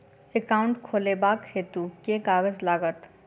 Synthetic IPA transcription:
ekaːʊ̃ɳʈkʰoːlebaːkʰːeːt̪ukeːkaːɡəzlaːɡət̪

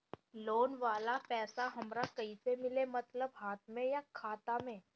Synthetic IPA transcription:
loːnʋaːlapɛːsaɦɐmɾakɐisemɪlemɐt̪ləbɦaːt̪̚ʰmẽjakʰaːt̪amẽː

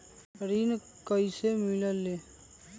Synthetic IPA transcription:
ɾin | kʌjsemiləlːe

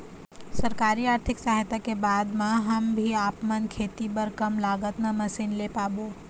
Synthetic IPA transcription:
sɐɾkaːɾiaːɾt̪ʰɪksaːɦt̪akebaːd̪mãɦɐmbʱiaːpmənkʰeːt̪ibɐɾkɐmlaːɡət̪namɐsiːnleːpaːboː

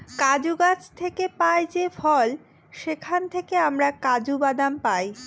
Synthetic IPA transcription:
kad͡ʑuɡat͡ɕt̪ʰekepaed͡ʑefʰɔl | ʃekʰant̪ʰekeamɾakad͡ʑubad̪ampaj

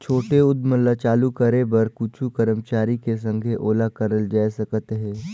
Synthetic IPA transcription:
t͡ʃʰoːʈeʊd̪məlːat͡ʃaːlukəɾebɐɾkut͡ʃʰukəɾəmt͡ʃaːɾikes̬ə̃ŋɡʱeʔoːlakəɾəld͡ʒaːjsəkət̪ɦɛ̃ː

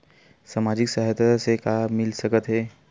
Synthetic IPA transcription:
saːmad͡ʒɪksaɦət̪sekamɪlsəkət̪ɦɛː

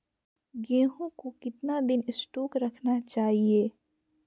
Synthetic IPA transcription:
ɡẽːɦõkokɪt̪nad̪ɪnɪsʈoːkɾɐkʰnat͡ʃaːɦieː

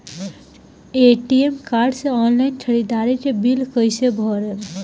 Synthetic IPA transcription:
eʈiemkaːɾɖseɔːnlaɪnt͡ʃʰəɽid̪aɾikebilkəɪsebʱɔːɾɛ

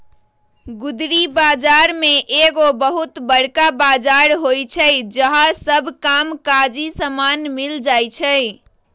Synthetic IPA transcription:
ɡud̪ɾibad͡ʒaɾmeʔeɡobəɦut̪bəɽkabad͡ʒaɾɦojt͡ʃʰəjd͡ʒəɦasəbʱkamkad͡ʒisəmanmild͡ʒajt͡ʃʰəɪ

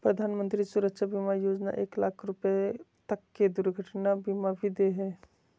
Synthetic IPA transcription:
pɾəd̪ʱaːnmə̃nt̪ɾisuɾəkːʃʰabimajoːd͡ʒna̰ʔḛːkla̰ːkʰɾʊpet̪əkːed̪uɾɡʱəʈnabimabʱid̪eɦɛː

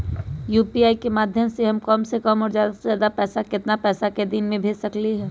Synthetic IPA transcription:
juːpiaːikemaːd̪ʱjəmseɦɐmkəmsekəmɔːɾzjaːd̪asaːd̪apɛːsakɪt̪napɛːsaked̪inmẽbʱeːd͡ʒsɐkliɦɛː

